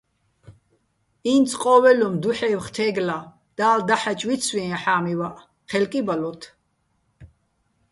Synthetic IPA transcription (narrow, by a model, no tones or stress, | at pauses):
int͡sʰʼqʼɔːwɛlɔmd̪uħɛːwχt̪ʰɛːɡla | d̪̥aːld̪aħat͡ʃʼwit̪t͡sʰwĩãħaːmiwaʔ | χɛlkʼibalɔt̪ʰ